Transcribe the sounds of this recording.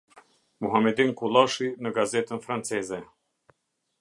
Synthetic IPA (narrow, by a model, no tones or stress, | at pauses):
muɦamɛd̪inkulˠɑʃinəɡazɛt̪ənfɾant͡sɛzɛ